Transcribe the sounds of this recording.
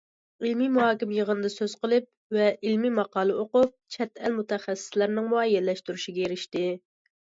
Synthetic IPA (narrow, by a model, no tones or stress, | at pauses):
ilmimuhɑːkʲimjəʁənɨd̪ɑsøz̥qəlˠɨp̚vɛʔilmimɑqɑːlˠɨʔoqʊp̚t͡ʃʰɛt̪ælmut̪ɛχæsːɪ̥slæɾnɪŋmuɑjːɛlːɛʃt̪yɾuʃiɡʲɛeɾɪʃt̪ɪ